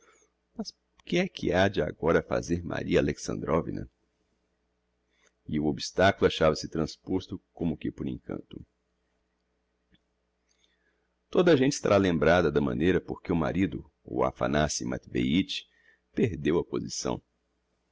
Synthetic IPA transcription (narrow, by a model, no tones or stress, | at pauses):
mɐs | kɪɛkʰɪad͡ʒɪa̰ɡɔɾɐfa̰zeɾma̰ɾiɐaleksɐ̰̃nd̪ɾovḭnɐ̰ | ɪʊobist̪akulʊaʃavɐsɪt̪ɾɐ̃spost̪ʊkõmʊkɪpoɾẽkɐ̰̃nt̪ʊ | t̪od̪ɐʒẽnt͡ʃɪ̥st̪a̰ɾalẽmbɾad̪ɐd̪ɐmɐ̰̃nejɾɐpoɾkeʊma̰ɾid̪ʊ | o̰a̰fa̰nasima̰t̪vejit͡ʃɪ̥ | peɾd̪ewɐpozisɐ̰̃w̃